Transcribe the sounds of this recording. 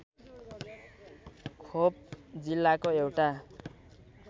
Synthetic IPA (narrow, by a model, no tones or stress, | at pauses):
kʰop̚d͡zilːakoewʈa